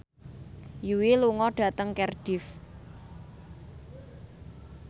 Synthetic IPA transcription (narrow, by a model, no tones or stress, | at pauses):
juwiluŋɔɖ̥ä̤t̪əŋkɛrɖ̥ɪf